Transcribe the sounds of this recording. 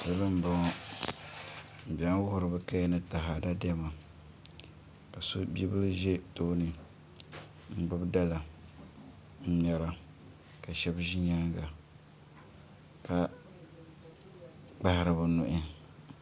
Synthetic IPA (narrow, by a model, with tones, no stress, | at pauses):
dɨ˦bɨ˦m̩˦ba˦ŋɔ˦ | m̩˨bʲa˦n˦wʊ˦hʊ˨ɾɨ˨bɨ˦ka˦jɛ˦nɨ˦ta˨ɦa˨da˦dɛ˦ma˨ | ka˨so˦bi˦bɨ˦lɨ˦ʒe˦to˦nɨ˨ | ŋ͡m̩˦ɡ͡bʊ˦bda˦la˨ | m̩˦ɲɛ˨ɾa˨ | ka˨ʃɛ˦bʒi˦ɲa˦ŋɡa˨ | ka˦ | k͡pa˦hɪ˨ɾɨ˨bɨ˨nʊ˨ʔɪ˦